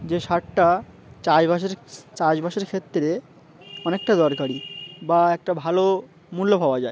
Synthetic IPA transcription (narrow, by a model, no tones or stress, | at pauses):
d͡ʑeʃaʈʈa | t͡ɕajbaʃeɾt͡ɕad͡ʑbaʃeɾkʰet̪ːɾe | ɔnek̚ʈad̪ɔɾkaɾibaɛk̚ʈabʱalo | mulːopaoad͡ʑae